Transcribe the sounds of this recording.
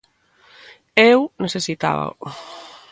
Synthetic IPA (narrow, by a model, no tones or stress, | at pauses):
ewneθesit̪a̰βa̰